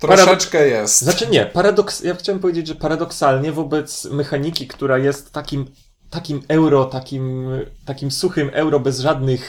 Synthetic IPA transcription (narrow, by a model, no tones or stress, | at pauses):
t̪ɾɔaʂɾadɛt͡ʂkɛjɛsznat͡ʂɘɲɛpaɾad̪ɔksjaxt͡ɕawɛmp̬ɔvʲjed͡ʑed͡ʑʐɛpaɾad̪ɔksalɲɛvɔbɛt̪smɛxaɲikʲikt̪uɾajɛst̪ːakʲim | t̪akʲimɛwɾɔt̪akʲimt̪akʲimsuxɘmʔɛwɾɔbɛzʐad̪nɘx